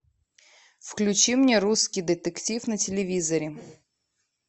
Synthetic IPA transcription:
fklʲʉt͡ɕimnʲeɾuskʲɪjd̪ət̪əktʲifnətʲɪlʲɪvʲizəɾʲɪ

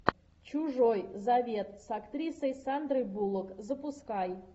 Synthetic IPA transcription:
t͡ʃuʐojzavʲe̞t̪sakt̪ɾʲisəjsand̪rɨjbulˠəkzəpuskɑj

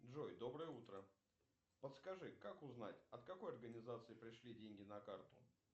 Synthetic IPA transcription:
dʐojd̪o̞bɾəjəut̪ɾə | pət̪skɐʐɨkakʊznatʲɐt̪kɐko̞jɐrɡənʲɪzat̪sɨɪpɾʲɪʂlʲidʲenʲɡʲɪnɐkart̪ʊ̰

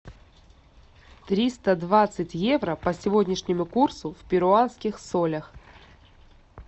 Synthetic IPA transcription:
t̪ɾʲist̪əd̪vat̪sɨtʲjevɾəpəsʲɪvodʲnʲɪʂnʲɪmʊkursʊfʲpʲɪɾʊanskʲɪxsolʲəx

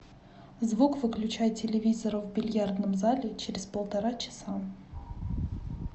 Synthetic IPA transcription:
zvukvɨklʲʉt͡ɕajtʲːɪlʲɪvʲizəɾəvbʲɪlʲjard̪nəmzalʲɪt͡ɕeɾʲɪspəlˠt̪ɐɾat͡ɕɪ̥sa

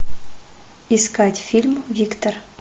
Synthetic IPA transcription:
iskatʲfʲilʲmvʲikt̪or

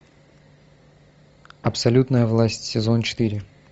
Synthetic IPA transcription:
ɐpsɐlʲut̪nəjəvlˠasʲtʲsʲɪzo̞nt͡ɕɪ̥t̪ɨɾʲɪ

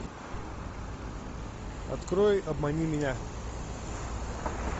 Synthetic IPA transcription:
ɐ̰t̪kɾojɐbmɐnʲimʲɪnʲa

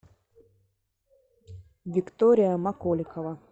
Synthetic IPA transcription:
vʲɪkt̪oɾʲɪjəmɐkolʲɪkəvɐ

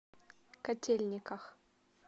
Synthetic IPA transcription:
kɐtʲʰelʲnʲɪkɐx

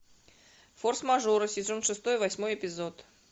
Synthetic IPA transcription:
forsmɐʐuɾɨsʲɪzonʂɨst̪o̞jvɐsʲmo̞jɪpʲɪzot̪

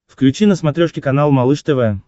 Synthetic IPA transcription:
fklʲʉt͡ɕinəsmɐt̪ɾʲoʂkʲɪkɐnalˠmɐlˠɨʂt̪ɛvɛ

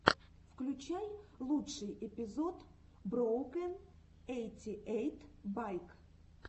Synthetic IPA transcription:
fklʲʉt͡ɕajlˠutʂɨjɪpʲɪzot̪bɾowkən | ejtʲɪʔejt̪bajk

